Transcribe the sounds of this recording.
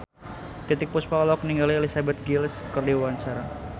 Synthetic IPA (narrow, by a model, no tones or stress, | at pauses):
t̪it̪ɪk̚puspalɔk̚niŋɡalielisabɛt̪̚ɡilskərdiwwaɲt͡ʃaɾa